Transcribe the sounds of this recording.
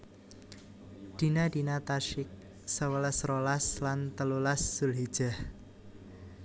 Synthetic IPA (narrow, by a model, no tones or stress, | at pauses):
d̪̥i̤nad̪inat̪aʃɪk̚ | səwələsrolaslant̪əlulasːulɦid̥ʒ̥a̤h